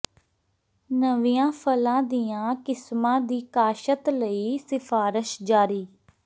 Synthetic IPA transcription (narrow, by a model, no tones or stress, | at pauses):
nəʋijãːpʰəlãːd̪iːãːkɪsmãːd̪iːkaːʃət̪ləiːsɪfʰaːɾɪʃd͡ʒaːɾiː